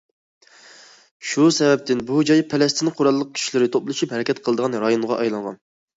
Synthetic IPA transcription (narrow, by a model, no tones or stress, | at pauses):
ʃusɛvɛp̚t̪ʰɪnbud͡ʒɑjpʰɛlɛst̪ʰɪnqʰoɾɑlˠːəq̚kʲʰi̥ʃilɪɾɪt̪ʰoplˠɨʃuphɛɾɛkʲʰɛt̪qʰəlˠɨd̪əʁɑnɾɑjonʁɑʔɑjlˠɑŋʁɑ̰n